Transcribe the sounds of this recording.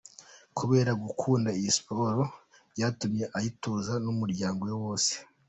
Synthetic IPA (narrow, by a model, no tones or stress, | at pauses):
kʰuβe̞ːɾaɡukʰuːndaijispo̞ɾo̞ | ɾjatumje̞ʔajituːzanumuɾɟaːŋɡo̞jowo̞ːse̥